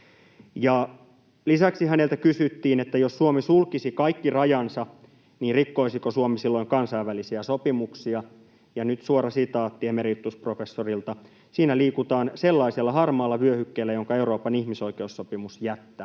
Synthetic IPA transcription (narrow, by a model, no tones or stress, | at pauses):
jɑ | lisæksiɦæne̞lt̪ækysyt̪ːiːnet̪ːæjosːuomisulkisikɑikːirɑjɑnsɑ | niːnrikːo̞isikosuomisilːoiŋkɑnsɑiʋʋælisiæsopimuksiɑ | jɑnyt̪suoɾɑsit̪ɑːt̪ːiemerit̪ːusprofesːorilt̪ɑ | siːnæliːkut̪ɑːnselːɑiselːɑɦɑrmɑːlːɑʋyøhykːeːlːæjoŋkɑe̞uɾoːpɑnihmiso̞ike̞usːo̞pimusjæt̪ːæː